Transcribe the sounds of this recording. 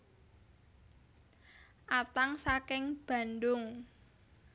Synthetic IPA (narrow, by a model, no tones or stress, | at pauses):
ʔat̪aŋsakɪŋb̥a̤nd̪ʊŋ